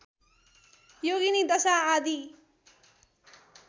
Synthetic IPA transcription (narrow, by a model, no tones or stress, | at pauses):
joɡinid̪ʌsaːd̪i